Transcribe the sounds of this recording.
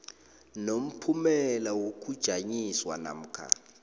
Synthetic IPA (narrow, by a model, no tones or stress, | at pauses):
nom̩pʰumɛlawok̬ʼud̥ʒ̥ʱaɲiswana̰m̩ːkʰa̰